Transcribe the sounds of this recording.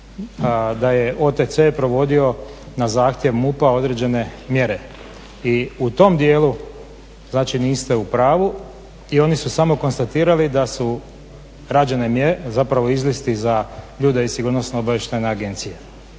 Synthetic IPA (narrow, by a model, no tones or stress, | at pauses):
d̪aje̞ʔo̞t̪et̪sepɾo̞ʋo̞d̪io̞ | nazaːxt̪je̞ʋmupao̞d̪ɾe̞d͡ʑe̞ne̞mje̞ɾe̞ | iut̪o̞md̪je̞ːlu | znaːt͡ʃiniːst̪e̞upɾaːʋu | io̞nisusamo̞ko̞nst̪at̪iːɾalid̪asu | ɾad͡ʑe̞ne̞mjeɾezapɾaʋo̞izlist̪izaʎuːd̪eisiɡuːɾnosnoobaʋjeʃt̪ajneaɡe̞nt̪sije